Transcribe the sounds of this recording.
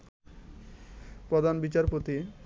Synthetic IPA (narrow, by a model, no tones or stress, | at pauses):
pɾod̪ʱanbit͡ɕaɾpot̪i